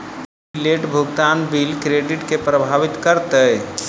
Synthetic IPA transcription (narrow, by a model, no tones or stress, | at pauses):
ileʈbʱʊɡt̪aːnbilkɾeɖɪʈkepɾəbʱaːʋɪt̪kəɾt̪əɛ